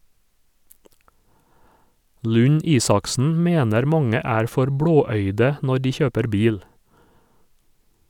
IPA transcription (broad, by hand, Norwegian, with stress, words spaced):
ˌlʉˈɲiːsɑksn̩ ˈmeːnəɾ ˈmɑŋə ˈæːɾ ˈfɔɾ ˈbɽoːˌœʏdə ˈnɔɾ ˈdiː ˈçøːpəɾ ˈbiːl